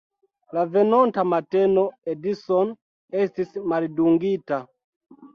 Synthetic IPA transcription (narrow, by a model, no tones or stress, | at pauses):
lavɛnɔntamatɛnɔɛdisɔn | ɛstismalduŋɡita